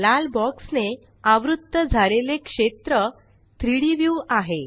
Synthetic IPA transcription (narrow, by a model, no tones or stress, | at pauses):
lalbɔksne | aʋɾud̪ːəd͡zʱaɾelekʂet̪ɾə | t̪ɾiɽiʋjuaɦe